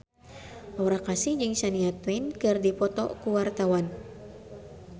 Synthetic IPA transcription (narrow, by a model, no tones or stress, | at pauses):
ʔɔɾakasɪhd͡ʒɨŋsaniat̪wɛnkɨrdipɔt̪ɔ̰kuwart̪awan